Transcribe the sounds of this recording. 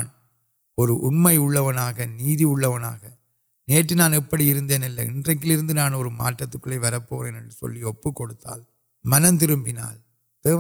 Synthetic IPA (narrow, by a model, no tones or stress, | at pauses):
n | ɔɾɯʔʊɳmɐɪʊɭːɐʋɐnaːɣɐniːðiʊɭːɐʋɐna̰ːɣɐ | neːʈːɯnaːnɛpːɐɽiɪɾɯnd̪eːnɪlːɐ̰ɪ̰ndrɐk̬ːɪlɪɾɯnd̪ɯnaːnɔɾɯma̰ːʈːɐt̪ːɯkːɯɭɐɪʋɐɾɐpːo̰ːɾɛnɐɳɖɯsɔ̰lːiɔpːɯkːɔɽɯt̪ːa̰ːl | mɐnɐnt̪ɪɾɯmbɪna̰ːl | t̪eː